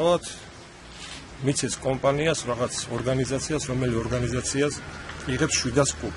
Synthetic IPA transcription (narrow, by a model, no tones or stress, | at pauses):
alˠat̪ʰ | mit̪sʰɛskʼɔmpʼaniasɾaʁat̪sʰɔɾɡanizat̪sʰiasɾɔmɛliɔɾɡanizat̪sʰiasiʁɛpsʃwid̪askʼup